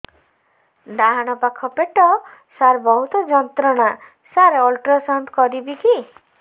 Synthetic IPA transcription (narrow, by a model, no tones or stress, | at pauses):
ɖaɦaɽ̃ɔpakʰɔpeʈɔ | saɾbɔɦut̪ɔd͡ʒɔnt̪ɾɔɽ̃a | saɾeɔlʈɾɔsɔnt̪kɔɾibiki